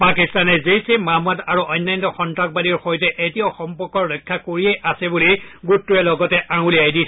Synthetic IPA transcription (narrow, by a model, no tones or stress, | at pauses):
pakistanɛzejsemamataɹuʔɔjnːajntɔxɔntɹak̚baliɹxɔjtɛʔetioxɔmpɔɹkɔɹːɔkʰːakoɹiejʔasɛbuliɡutːuɛlɔɡɔtɛʔãŋuliajdi